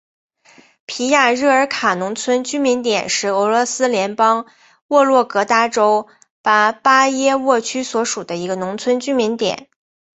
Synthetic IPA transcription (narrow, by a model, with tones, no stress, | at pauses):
pʰi˧˥ja˥˩ɻɤ˥˩ə˞˧˥kʰa˨˩nʊ˧˥ŋt͡sʰwə˥nt͡ɕy˥mi˧˥nt̪jɛ˨˩nʂɻ̩˧˥˩ɤ˧˥lwɔ˧˥sɹ̩˥ljɛ˧˥npɑ˥ŋ | wɔ˥˧lwɔ˥˩kɤ˧˥t̪a˥ʈ͡ʂo˥ʊ | pa˥˩pa˥jɛ˥wɔ˥˩t͡ɕʰy˥swɔ˧˥ʂu˨˩d̪ə˦i˧˥ɡə˧nʊ˧˥ŋt͡sʰwə˥nt͡ɕy˥mi˧˥nt̪jɛ̰˨˩˦n